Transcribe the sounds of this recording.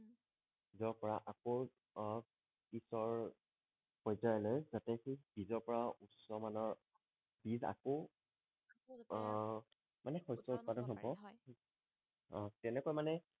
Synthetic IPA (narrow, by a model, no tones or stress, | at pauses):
izɔɹpɔɹaʔako | kisɔɹ | pɔjzajɔlɔjzatɛxibizɔɹpɔɹausɔmanɔɹ | biza̰ko | manɛxɔjsɔut̚padɔnɦɔbɔ | ɔ̃tɛnɛkɔjmanɛ